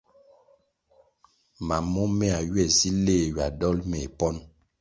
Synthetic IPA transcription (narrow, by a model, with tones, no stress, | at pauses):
ma˨mɔ˦mɛ˦a˨ɥwɛ˦˨si˦leː˦˨ɥa˨dɔ˦lmɛ˨pɔ˦n